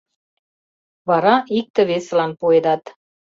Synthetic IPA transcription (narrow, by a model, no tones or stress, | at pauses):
βɑɾɑik̚t̪ə̆βesəlɑnpued̪ɑt̪